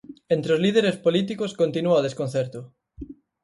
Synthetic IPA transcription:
ent̪ɾeozliðeɾespolit̪ikoskont̪inuaoð̞eskon̟θɛɾt̪ʊ

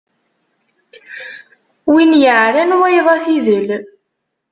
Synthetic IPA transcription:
winjəʕɾænuæjðˤɑθiðəl

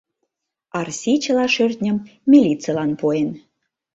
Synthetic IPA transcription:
ɑrsʲit͡ɕəlɑʃørʲt̪ʲnʲə̆mːʲilʲitt͡səlɑnpoen

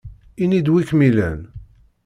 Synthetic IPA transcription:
inid̪wikmilæ̰n

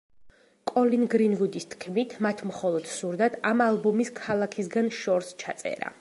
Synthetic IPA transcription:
kʼɔlinɡɾinvud̪ist̪ʰkʰmit̪ʰmat̪ʰmχɔlˠɔd̪̥suɾd̪ad̪amalˠbɔmiskʰalˠakʰisɡanʃɔɾst͡ʃʰat̪sʼɛ̰ɾa̰

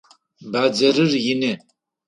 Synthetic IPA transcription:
baːd͡zɐɾɨrjɪnɨ

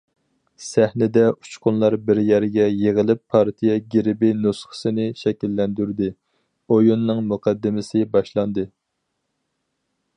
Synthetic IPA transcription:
sæhnɪd̪ɛu̥t͡ʃqʊnlˠɑɾbɪɾjɛɾɡʲɛjeʁəlˠɪpʰːɑɾt̪ʰijɛɡʲeɾɪbɪnusχə̥sɨnɪʃɛkʲilːɛnd̪yɾd̪ɪ | ojunːɨŋmuqʰɑd̪ːɪmɪsɪbɑʃlˠɑnd̪ɨ

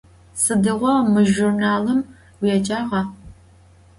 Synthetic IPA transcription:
sɨdɨʁʷɔmɨʒurnaːlɨm | wjɛt͡ʃʼaːʁɐ

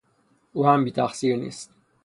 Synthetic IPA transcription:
ʔuːhæmbiːt̪ʰæxsiːɾnḭːst̪

